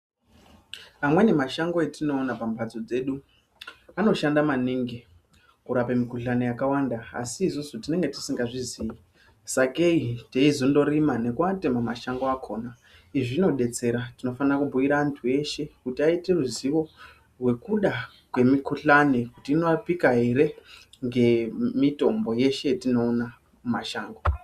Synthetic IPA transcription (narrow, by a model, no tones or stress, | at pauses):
amwe̞ne̞maʃaŋɡo̞etino̞ːnapampad͡zo̞d͡ze̞ɗu | ano̞ʃandamaniŋɡe | kuɾapemikuɬanejakawandaa̰siːzozotine̞ŋɡe̞ti̥siŋɡaʐiziji | sakeiteizondo̞ɾimane̞kuatemamaʃaŋɡoakʰo̞ːna | iʐino̞ɗe̞t͡se̞ɾatino̞fanrakubʱuʋiɾaaːntʰue̞ʃe̞kutiaite̞ruziʋo̞ | rwe̞kuɗa | kwe̞mikuɬanekutiːno̞apikaɦe̞ɾe̞ŋɡe̞mito̞mbo̞je̞ʃe̞tino̞ːna | maʃaːŋɡo